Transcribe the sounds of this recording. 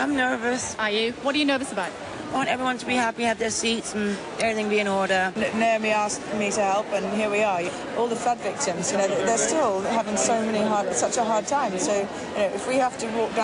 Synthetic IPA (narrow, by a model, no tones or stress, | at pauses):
ãɪ̃mnɜ˞vəsəjɨwʌt̚d̥ɨjɨnɜ˞vəsəbaʊt | aɪwɑ̃ntɛvɹiwʌ̃ntʰəbihæpiɨvðə˞sitsn̩ | ɛvɹiθɪ̃ŋbiɨ̃nɔɹɾə˞nnoʊmiaskfəmiɾɨhɛlˠpɨ̃nɦiɹwiə˞ | ʔɔlˠðəfadvɪk̚tɪ̃mzjɨnoʊðəðə˞stɪlˠhavɪ̃ŋsoʊmɛniɦɑɹdsʌt͡ʃəɦɑɹd̚tʰãɪ̃msoʊ | jɨnoʊʔɨfwihaftɨwɔˑk̚d̥ã